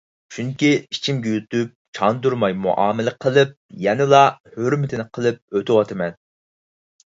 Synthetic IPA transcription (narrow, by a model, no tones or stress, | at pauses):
ʃʰuŋkʲiit͡ʃʰimɡʲɛjut̪up̚t͡ʃʰɑnd̪uɾmɑjmṵʔɑ̰ːmɪlɪqʰəlˠɨp̚jɛnɪlˠɑhøɾmɪt̪ʰɪnɪqʰəlˠɨp̚øt̪ʰɪwɑt̪ʰɨmɛn